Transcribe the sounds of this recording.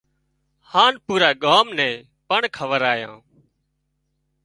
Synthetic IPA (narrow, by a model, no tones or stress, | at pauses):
haːnpuːɾaːɠaːmnɛ̃ː | pəɳkʰəʋəɾaːjã̰ː